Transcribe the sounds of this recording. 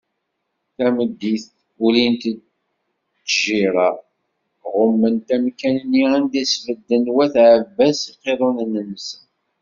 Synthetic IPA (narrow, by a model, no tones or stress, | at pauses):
θæməd̪ːiθ | ulint̪ | t͡sːʒiɾˤɑ | ʁʊmːənt̪æmkænənːiænd̪isvəd̪ːənwæθʕəvːæsiqːeðˤonnːənsən